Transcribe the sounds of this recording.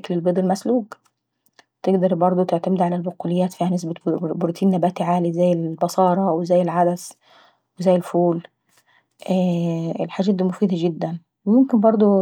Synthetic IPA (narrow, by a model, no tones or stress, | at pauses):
klelbeːd̪ˤelmæsluːɡ | t̪eɡd̪ɑɾˤbɑɾˤd̪ˤot̪eʕt̪æmɪd̪ʕalælboqulejːæːt̪fiːhænes̬bæboɾt̪ʰiːnːæbæːt̪iʕaːlizæjːelbɑsˤɑːɾˤɑwezæːjːelʕad̪æs | wezæːjːelfuːl | ʔæːelħaːʒæːt̪d̪iːmofiːd̪æɡɪd̪ːæn | wemomkɪnbɑɾˤd̪ˤo